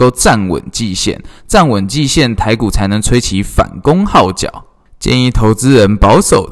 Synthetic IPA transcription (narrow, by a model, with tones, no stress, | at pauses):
o˥˧ʊt͡sa˥˩nwə̰˨˩nt͡ɕi˥˨ɕjɛ̰˥˩nt͡sa˥˩nwə˨˩nt͡ɕi˥˧ɕjɛ˥˩nt̪ʰa˧˥ɪku˨˩t͡sʰa˧˥ɪnə˧˥ŋt͡sʰwe˥ɪt͡ɕʰi˧˥˦fa̰˨˩nkʊ˥ŋxɑ˥˩ʊt͡ɕjɑ̰˨˩˦ʊ | t͡ɕjɛ̰˥˧ni˥˩t̪ʰo˧˥ʊt͡sɹ̩˦ɻə˧˦npɑ˧˥ʊʂo˨˩ʊ